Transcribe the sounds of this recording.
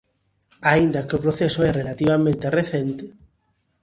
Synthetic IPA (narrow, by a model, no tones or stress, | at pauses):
aind̪ɐkeopɾoθesoɛrelat̪iβamẽnt̪ereθent̪ɪ